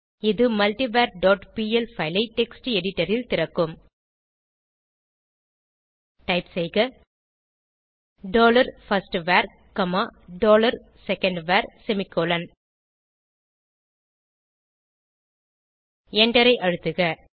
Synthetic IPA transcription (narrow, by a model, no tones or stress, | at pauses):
ɪðɯmɐlʈibaːɾɖoːʈpiːɛlfɐɪlɐɪʈɛksʈiɛɽɪʈːɐɾɪlt̪ɪɾɐkːɯm | ʈɐɪpsɛjɣɐ | ɖoːlɐɾfɐsʈʋaːɾ | kɐmaːɖoːlɐɾ | sɛkːɐɳɖʋaːɾsɛmɪkːoːlɐn | ɛɳɖɐɾɐɪʔɐɻɯt̪ːɯɣɐ